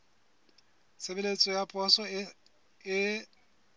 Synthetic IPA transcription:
sebelet͡sʼɔjapʼɔsɔ | ɪ

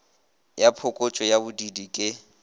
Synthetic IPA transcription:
japʰʊkʼot͡ʃʼɔjabʊdidikʼɪ

